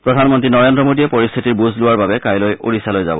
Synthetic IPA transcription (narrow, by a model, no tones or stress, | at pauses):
pɹodʱanmɔntɹinɔɹendɹɔmodiɛpɔɹist̪ʰitiɹbuzʱlʊwaɹbabɛkajlojo̰ɹisalojza̰bɔ̰